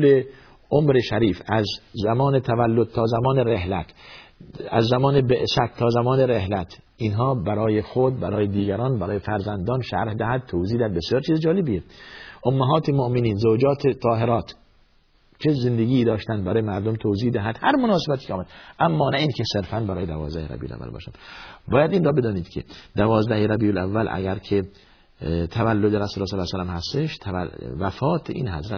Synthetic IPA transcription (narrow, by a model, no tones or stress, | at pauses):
le | ʔomɾeʃæɾiːfæzæmɒːnet̪ʰævælːod̪̥̚t̪ʰɒːzæmɒːneɾehlæ̰t̪ʰ | æ̰zːæmɒːnebeʔsæt̪ʰːɒːzæmɒːneɾehlæt̪ʰ | ʔinɦɒːbæɾɒːjexod̪̚bæɾɒːjed̪iːɡæɾɒːnbæɾɒːjefæɾzænd̪ɒːnʃæ̰ɾhd̪æhæd̪̥̚t̪ʰowziːhd̪æhæd̪̚besjɒːɾt͡ʃʰiːzed͡ʒɒːlebijeʔomːæɦɒːt̪ʰemoʔmeniːnzoːd͡ʒɒːt̪ʰet̪ʰɒːɦe̞ɾɒːt̪ | t͡ʃʰezend̪eɡiːd̪ɒːʃt̪ænd̪bæɾɒːjemæɾd̪omt̪ʰowziːhd̪æɦæd̪hæɾmonɒːsebæt̪ʰiːkʰʲeɑːmæd̪ʔæmːɒːnæiːnkʰʲeseɾfænbæɾɒːjed̪ævɒ̰ːzd̪æheɾæ̰bḭo̰læ̰vːæ̰lbɒ̰ːʃæ̰bɒːjæd̪iːnrɒːbe̞d̪ɒːniːd̪̥kʲʰḛd̪̥ævɒːzd̪æheɾæbijolævːælʔæ̰ɡæɾkʰe | t̪ʰævælːod̪eɾæsuːlɑslːsælæmhæst̪eʃt̪ʰææ̰væfɒːt̪ʰeʔḭːnhæ̰zɾæ